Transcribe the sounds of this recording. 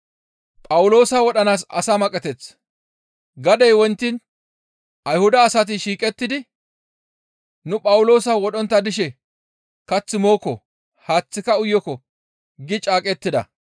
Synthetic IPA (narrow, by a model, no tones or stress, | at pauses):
pʼɐwʊlo̞ːsɐwɔɗɐnaːs̬ɐ̰samɐkʼɛt̪ɛt͡s | ɡɐd̪ɛjwɔnt̪ːin | ɐjhʊd̪ɐːsɐt̪̬ɪʃiːkʼɛt̪ːɪd̪ɪ | nʊpʼɐwʊlo̞ːsɐwɔɗɔnt̪ːɐd̪ɪʃ̬ɛ | kɐt͡sːɪmo̞ːkːɔ | haːt͡sːɪkɐʊjːɔkɔ | ɡɪt͡ʃʼaːkʼɛt̪ːɪd̪ɐ̰